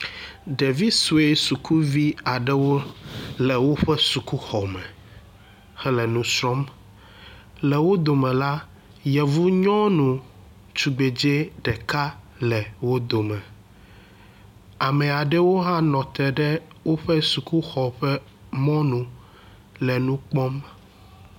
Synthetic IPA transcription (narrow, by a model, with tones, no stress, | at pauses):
ɖe˨vi˦su˨e˦su˨kʰu˦vi˦a˨ɖɛ˦wo˦lɛ˨wo˦ɸɛ˦su˨ku˦xɔ˨mɛ̃˨ | hɛ˦lɛ˨nũ˦sɾɔ˦m | lɛ˨wo˦d̪o˨mɛ̃˨la˦ | jɛ˨vu˦ɲɔ̃˦nũ˨ | t͡ʃu˨ɡ͡be˨d͡ʒe˦ɖɛ˨ka˦ | lɛ˨wo˦d̪o˨mɛ̃˨ | a˨mɛ̃˨a˨ɖɛ˦wo˦ɦã˦nɔ̃˨t̪ɛ˨ɖɛ˦wo˦ɸɛ˦su˨ku˦xɔ˨ɸɛ˦ | mɔ̃˦nũ˨ | lɛ˨nũ˦k͡pɔ̃˦m